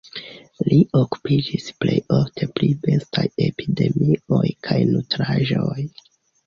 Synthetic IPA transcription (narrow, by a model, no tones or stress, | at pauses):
liʔo̞ku̥pid͡ʒisple̞joftʰe̞pɾibe̞staje̞pide̞mio̞jkʰajnutɾaʒo̞j